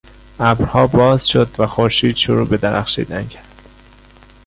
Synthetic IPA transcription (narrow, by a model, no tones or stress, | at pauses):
ʔæbɾhɒːbɒːz̥ʃod̪væxoɾʃiːd̪ʃoɾuːbe̞d̪æɾæ̰χʃḭːd̪æncʰæ̥ɾd̪̥